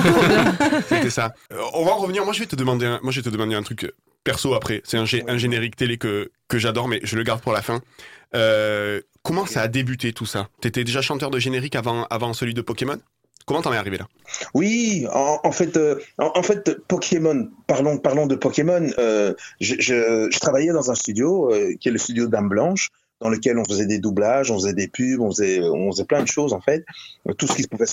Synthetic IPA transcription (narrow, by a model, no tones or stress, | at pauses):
set̪ɛsaɔ̃vaɑ̃ʁəvəniʁmwaʒəvɛt̪əd̪əmɑ̃d̪eɛ̃mwaʒəvɛt̪əd̪əmɑ̃d̪eɛ̃t̪χykø | pɛʁsoapχɛsɛt̪ɛ̃ʒeɛ̃ʒeneʁikt̪elekəkəʒad̪ɔʁmɛʒələɡaʁd̪̚puʁlafɛ̃ø | kɔmɑ̃saːd̪ebyt̪et̪ʰusat̪yet̪ɛd̪eʒaʃɑ̃t̪œʁd̪əʒeneʁikavɑ̃a̰vɑ̃səlɥid̪əpɔkemɔn | kɔmɑ̃t̪ɑ̃nɛaʁivelʔa | wiɑ̰ʔɑ̃fɛt̪øɑ̃ʔɑ̃fɛt̪pɔkʲʰemɔnpaʁlɔ̃paʁlɔ̃d̪əpɔkʲemɔnøʒəʒəʒət̪χavajɛd̪ɑ̃zɛ̃st̪yd̪joøkʲiɛləst̪yd̪jod̪amblɑ̃ʃ | d̪̥ɑ̃ləkʲɛlɔ̃fəzɛd̪ed̪ublaʒɔ̃fəzɛd̪epybɔ̃fəzɛøɔ̰̃fəzɛplɛ̃d̪əʃozɑ̃fɛt̪ːusə̥kʲisə̥puvɛ